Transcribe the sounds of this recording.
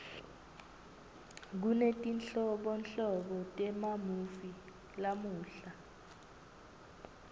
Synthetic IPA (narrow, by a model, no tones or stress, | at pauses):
k̬unetʼinɬɔɓɔnɬɔɓɔtʼɛmamufi | lamuːɬa